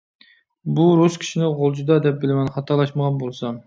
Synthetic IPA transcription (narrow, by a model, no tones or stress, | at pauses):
buɾuskʲʰi̥ʃinɪʁolˠd͡ʒud̪ɑd̪ɛp̚bɪlɪmɛnχɑt̪ʰɑɾlˠɑʃməʁɑnbolˠsɑ